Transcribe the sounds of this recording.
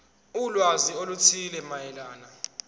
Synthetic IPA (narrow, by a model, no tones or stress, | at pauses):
ulwaziolut͡sʰilɛmajɛlaːna